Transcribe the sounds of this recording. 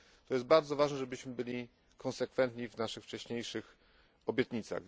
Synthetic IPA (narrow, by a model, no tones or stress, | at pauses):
t̪ɔjɛst̪̚baɾd̪zɔvaʐnɛʐɛbɘɕmɘbɘlʲi | kʰɔnsɛkfɛnt̪ɲivnaʂɘxft͡ʂɛɕɲejʂɘx | ɔbʲjɛt̪ɲit̪sa̰ɣ